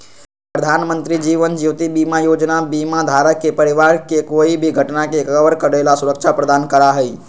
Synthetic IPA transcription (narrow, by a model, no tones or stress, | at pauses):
pɾəd̪ʱanmənt̪ɾid͡ʒiʋənd͡ʒiʋt̪ibimajod͡ʒnabimad̪ʱaɾəkːepəɾiʋaɾkekoibʱiɡʱəʈnakekəʋəɾkəɾelasuɾəkt͡ʃʰapɾəd̪ankəɾaɦəi